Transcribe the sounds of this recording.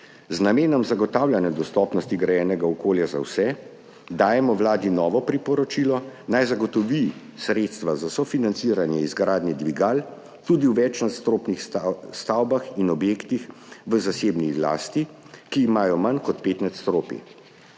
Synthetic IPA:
znameːnɔmzaɡɔt̪awlʲjanjad̪ɔst̪ɔpnɔst̪iɡɾajɛːnɛɡaɔkoːljaza̰wsɛ | d̪aːjɛmɔwlaːd̪inɔːʋɔpɾipɔɾɔt͡ʃiːlɔnajzaɡɔt̪ɔʋi | sɾet̪st̪ʋazasɔfinant̪siːɾanjɛizɡɾaːd̪nɛd̪ʋiɡal | t̪uːd̪iwʋɛt͡ʃnat̪st̪ɾoːpnixst̪awbaxinɔbjekt̪ixʋəzaseːbnila̰st̪i | kiːmaːjɔmankɔt̪̚peːt̪nat̪st̪ɾoːpḭ

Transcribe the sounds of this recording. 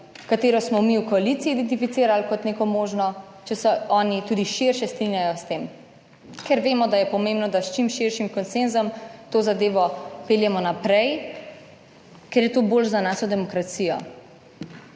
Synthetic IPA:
kat̪eːɾɔsmɔmiwkɔalit̪siːd̪ɛnt̪̬ifit̪siːɾalkɔt̪neːkɔmoːʒnɔ | t͡ʃɛsɛɔːnit̪ud̪iʃiɾʃɛst̪ɾinjajɔst̪eːm | kɛɾʋeːmɔd̪ajɛpɔmẽmbnɔd̪ast͡ʃimʃiɾʃimkɔnsenzɔmt̪oːzad̪eːʋɔpeːljɛmɔnapɾɛj | kɛɾjɛt̪oːbolzanaːʃɔd̪ɛmɔkɾat̪siːjɔ̰

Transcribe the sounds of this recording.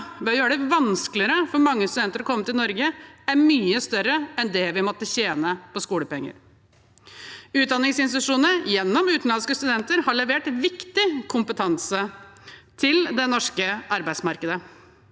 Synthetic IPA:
ʋɪɔjøːɾəɖɛʋɑnsklɪəɾəfɔɾmɑŋːəst̪ʉd̪ɛnt̪əɾɔkʰɔmːət̪ɪlnɔɾɡəæɾmyːəst̪œɾːəɛnd̪ɛʋɪmɔt̪ːəçeːnəpɔskuːləpɛŋːə̰ɾ | ʉːt̪̚d̪ɑnːɪŋsɪnsɪt̪ʉʂuːnəjɛnːɔmʉːt̪n̩lɑnskəst̪ʉd̪ɛnt̪əɾhɑɭɛʋeːʈ̪ʋɪkt̪ɪkʰʊmpət̪ʰɑnsə | t̪ʰɪld̪ɛnɔʂkəɑɾbæɪd̪smɑɾkəd̪ə

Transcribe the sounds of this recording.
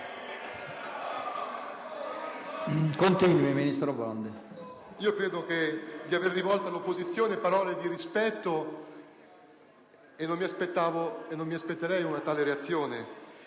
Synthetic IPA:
kont̪inwiminist̪ɾobɔnd̪e | iːokɾeːd̪oked̪iaverːivɔlt̪oalopːozit̪sːjoːnepaɾɔːled̪iɾispɛt̪ːo | enːonmːiaspet̪ːaːvoenːonmiaspet̪ːeɾɛjunat̪aːleɾeat̪sːjoːne

